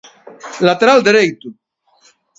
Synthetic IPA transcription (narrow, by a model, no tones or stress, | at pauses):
lat̪eɾald̪eɾejt̪u